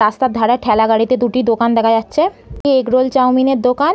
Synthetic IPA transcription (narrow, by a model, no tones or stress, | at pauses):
ast̪ad̪ʱaɽaeʈʰɛlaɡaɽit̪ed̪uʈid̪okand̪ɛkʰad͡ʑatːɕʰe | kieɡɾolt͡ɕawmineɾd̪okan